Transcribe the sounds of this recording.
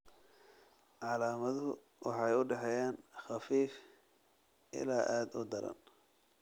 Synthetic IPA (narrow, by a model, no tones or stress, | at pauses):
ʕɑlaːmɐðɦʊ | wɑħɑjʊɖɛħɛjaːnxɑfiːf | ʔɪ̰laːʔaːd̪ʊ̰d̪ɐɾɐ̰n